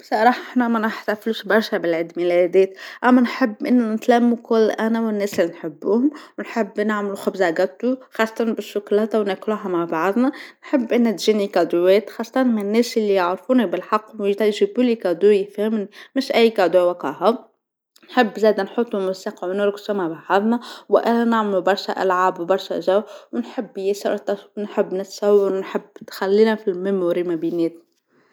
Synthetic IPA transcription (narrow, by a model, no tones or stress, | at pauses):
bsˤɑɾˤɑːħɑʔħnæmænɪħt̪æfluʃbɑɾˤʃæbɪlʕid̪milʔɛd̪ɛːt̪ʔæmːænħɪbːʔɪnːunɪt̪læmːukʊlːʔænæwɪnːɛːsɪlːinħɪbːuːhʊmwnħɪbːnaʕmluxʊbzaɡæt̪ːuxɑːsˤːɑt̪ɑnbɪʃːʊklɑt̪wnækluɦamaʕbɑʕd̪ˤnɑnħɪbːʔɪnːæt̪ʒiːnikɑd̪ʊwɛːt̪xɑːsˤːɑt̪ɑnmɪnɪnːɛːsɪlːijɑʕɾfuːnibɪlħɑqːwjt̪æjʒɪbuːlikæd̪ujfhmnmɪʃʔæjːkɑd̪uwæqɑ̰ha | nħɪbːzæːd̪ænħot̪ˤːumʊsiqʕunʊɾksumaʕbʕɑðˤnɑwʔænænaʕmlubɑɾˤʃæʔæ̰lʕaːbwbɑɾˤʃæ̰ʒæwwnħəbːjɪsɾt̪ɑnħəbːnɪt̪sɑwːɑɾwnħəbːt̪xælːiːnæfilmɪmuːɾimæbinɛːt̪n